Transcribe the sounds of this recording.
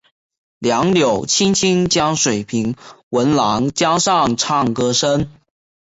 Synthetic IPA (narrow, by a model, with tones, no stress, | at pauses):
ljɑ˧˥ŋljo˨˩ʊt͡ɕʰi˥nt͡ɕʰi˥nt͡ɕjɑ˥ŋʂwe˨˩ɪpʰi˧˥ŋwə˧˥nlɑ˧˥˦ŋt͡ɕjɑ˥ʂɑ˥˩ŋʈ͡ʂʰɑ˥˩ŋkɤ˥ʂə˥n